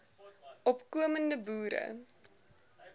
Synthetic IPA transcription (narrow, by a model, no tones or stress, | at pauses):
ʔɔpkuəməndəbuːɾə̰